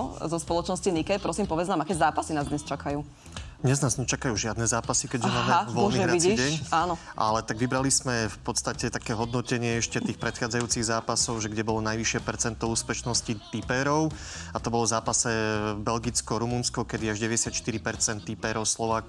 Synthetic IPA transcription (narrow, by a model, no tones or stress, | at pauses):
zɔspɔlɔt͡ʃnɔscinikɛpɾɔsiːmpɔʋɛd͡znaːmakɛːzaːpasinaːzd̪ɲɛst͡ʃakajuː | d̪ɲɛznaːzɲɛt͡ʃakajuːʒɪad̪nɛzaːpasikɛɟʒɛmaːmɛʋɔlniɾɛit͡sidɛɲaːnɔ | ʔa̰lɛt̪aɡʋibɾalismɛfpɔt̪st̪acɛt̪akɛːɦɔd̪nɔcɛɲɪɛɛʃcɛt̪iːxpɾɛt̪xaːd͡zajuːt͡siɣzaːpasɔʊʒɛɡɟɛbɔlɔnajʋiʃɪɛpɛɾt͡sɛnt̪ɔuːspɛt͡ʃnɔscit̪ipɛːɾɔʊ | at̪ɔbɔlɔvzaːpasɛbɛlɡit͡skɔɾumunskɔkɛd̪iaʒɟɛʋɛɟɛsjat̪ʃt̪iɾipɛɾt͡sɛnt̪ːipɛɾɔʊslɔʋaːk